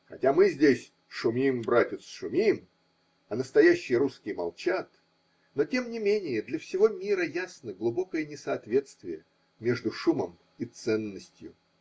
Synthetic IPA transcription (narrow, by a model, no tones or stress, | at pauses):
xɐ̰tʲamɨzʲdʲesʲ | ʂʊmʲimbɾatʲɪt̪sʂʊmʲim | ɐnəst̪ɐjæɕːɪjəɾuskʲɪjmɐ̰lˠt͡ɕat̪ | no̞tʲe̞mnʲɪmʲenʲɪjəd̪lʲɐfsʲɪvo̞mʲiɾəjasnəɡlˠʊbo̞kəjənʲɪsɐːt̪vʲe̞t̪st̪vʲɪjə | mʲe̞ʐd̪ʊʂuməm | it̪sɛnːəsʲtʲjʊ